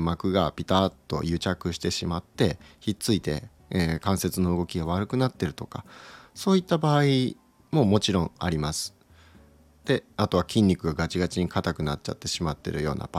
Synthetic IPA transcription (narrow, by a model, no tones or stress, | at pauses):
makɯ̟ɡapʲit̪aːt̪ːo̞̰jɯ̟t͡ɕakɯ̟ɕi̥t̪e̞ɕimat̪ːe̞çit͡sɨit̪e̞̰ | ekãɰ̃se̞t͡sɨno̞ɯɡo̞kʲiɡaβ̞aɾɯ̟kɯ̟nat̪ːe̞ɾɯ̟t̪o̞̥ka̰so̞ːit̪ːabaːi | mo̞mo̞t͡ɕiɾõ̞ŋ̃aɾʲimasɨ̥ | d̪̥e̞at̪o̞βakʲĩɲʲːikɯ̟ɡaɡat͡ɕiɡat͡ɕiɲ̟ikat̪akɯ̟natt͡ɕa̰t̪ːe̞ɕimat̪ːe̞̰ɾɯ̟jo̞ːna̰b̥a